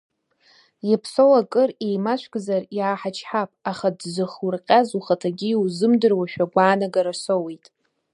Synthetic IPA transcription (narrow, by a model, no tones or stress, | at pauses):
japʰso̞wakʼɨrejmaʃʷʰɡʼzarjaːħat͡ʃʰħapʼaχadzʷɨχurqʲʼazuχatʰaɡʲiwzɨmdɨrwaʃᶣaɡʷaːnaɡaɾasowejtʼ